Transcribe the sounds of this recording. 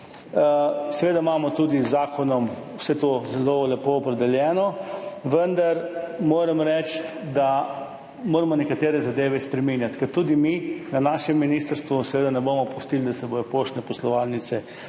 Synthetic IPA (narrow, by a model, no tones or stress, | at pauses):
sɛʋeːd̪amamɔt̪uːd̪izːaːkʰɔnɔm | wsɛt̪ozɛlolɛpoɔpɾɛd̪ɛljɛːnɔʋənd̪aɾmoːɾɛmɾɛt͡ʃ | d̪a | moːɾɛmɔnɛkat̪eːɾɛzad̪eːʋɛspɾɛminjat̪kɐɾt̪ːuːd̪iminanaːʃɛmːinist̪əɾst̪ʋusɛʋeːd̪anɛbomɔpust̪ild̪asɛbojɔpoʃnɛpɔslɔʋalnit̪sɛ